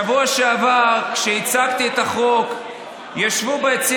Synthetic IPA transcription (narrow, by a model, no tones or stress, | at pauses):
avuaʃeavaʁkʃeit͡sakt̪iet̪aχo̞k | jaʃvubeet͡si